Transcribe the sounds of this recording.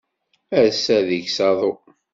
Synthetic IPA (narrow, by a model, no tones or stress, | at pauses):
æɾsæðiçsɑðˤo